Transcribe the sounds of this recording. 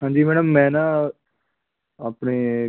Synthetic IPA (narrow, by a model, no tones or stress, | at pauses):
ɦãːɲd͡ʒiːmɛːɽəmːɛ̃ːnaː | aːpɳeː